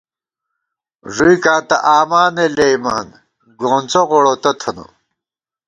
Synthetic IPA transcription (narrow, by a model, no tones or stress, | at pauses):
ʐuikãːt̪ɐ̰ʔaːmaːnelejmaːn | ɡoːnt͡soʁoɽot̪ot̪ʰɐnṵ